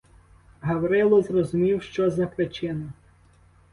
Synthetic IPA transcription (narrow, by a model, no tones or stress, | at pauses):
ɦɐwɾɪlˠɔzrɔzʊmʲiwʃt͡ʃɔzɐpɾet͡ʃɪnɔ